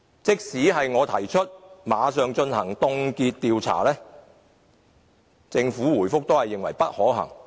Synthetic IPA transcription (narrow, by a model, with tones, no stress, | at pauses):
t͡sɪ˥k̚siː˨˥ɦɐ˨jŋɔː˨˧t̪ʰɐ˨˩jt͡ʃʰɵ˥t̚maː˨˧˥sœː˨˧ŋt͡ʃɵ˧nhɐ˨˩ŋt̪ʊ˧ŋkiː˧t̚t̪iː˨wt͡sʰa̰ː˨˩lɛː˥ | t͡sɪ˧ŋfuː˨˥wuː˨˩jfʊ˥k̚t̪o˥whɐ˨jːɪ˨ŋwɐ˨˩jpɐ˥t̚hɔː˨˥ɦɐ̰˨˩ŋ